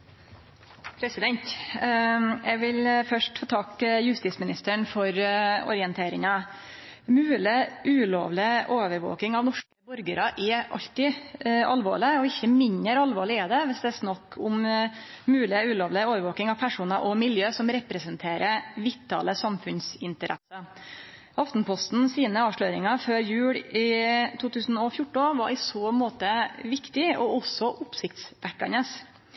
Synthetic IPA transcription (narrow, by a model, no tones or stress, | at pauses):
pʰɾɛsɪd̪ɛnt̪ | jæʋɪlfœʂʈfoːt̪ʰɑkjʉst̪ɪtsmɪnɪst̪əɳfɔɾɔ̰ɾɪɛnt̪ʰeːɾɪŋɑ | mʉːlɪʔʉːlo̰ːʋlɪʔoːʋəɾʋo̰ːkɪŋɑʋnɔʂkəbɔɾɡəɾɑʔɛʔɑ̰lt̪ɪʔɑlʋo̰ːɭɪɔɪçːəmɪnəɾɑlʋoːɭɪɛd̪ɛʋɪsd̪ɛæsnɑkːʰʊm | mʉːlɪʉːloːʋlɪoːʋəɾʋoːkɪŋɑʋpʰæʂuːnɑʔɔmɪljøːsɔmɾɛpɾɛsənt̪ʰeːɾʔəʋɪt̪ʰːɑ̰ːləsɑmfʉnsɪnt̪əɾʔɛ̰sə | ʔɑft̪n̩pʰɔst̪n̩siːnəɑːʋʂɭøːɾɪŋɑføːɾjʉːɽɪt̪ʰuːt̪ʰʉːsn̩ɔfjʊʈːʊnʋɑɾɪsoːmoːt̪əʋɪkt̪ɪɔɔsːɔʔʊpsɪkt̪sʋækːɑ̰nəs